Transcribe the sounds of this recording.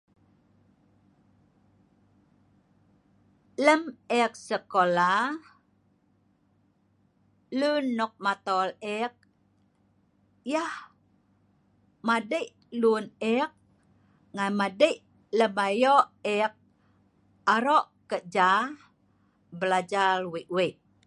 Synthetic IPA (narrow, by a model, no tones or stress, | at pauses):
ləmɛk̚səkola | lunːɔk̚mat̪ɔlɛk̚ | jah | madəʔ | lunɛk̚ | ŋanmadəʔ | ləmajoʔɛk̚ | aɾoʔkəʔ̚d͡ʒa | bəlad͡ʒalwiʔwiʔ